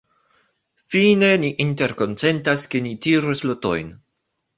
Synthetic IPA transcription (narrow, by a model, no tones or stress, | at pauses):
fine̞niʔinte̞ɾko̞nt͡se̞ntaskenitiɾusloto̞̰jn